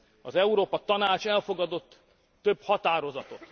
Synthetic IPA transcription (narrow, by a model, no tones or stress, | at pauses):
ɒzɛuɾoːpɒt̪ɒnaːt͡ʃɛlfo̞ɡɒd̪o̞t̪ː | øbhɒt̪aːɾo̞zɒt̪o̞t̪